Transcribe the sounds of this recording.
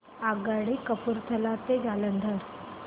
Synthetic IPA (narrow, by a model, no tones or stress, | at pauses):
aɡaɽikəpuɾt̪ʰəlat̪ed͡zalənd̪ʱəɾ